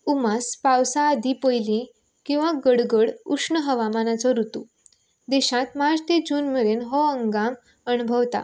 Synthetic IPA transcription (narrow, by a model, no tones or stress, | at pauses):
umaspawsãːd̪ʱipəjlĩ | kĩw̃ʋaɡəɽɡəɽuʂɳəɦəʋamanat͡sɔɾut̪u | d̪eɕãt̪mad͡zt̪ed͡ʑuːnməɾenɦɔəŋɡam | ənubʱəwt̪a̰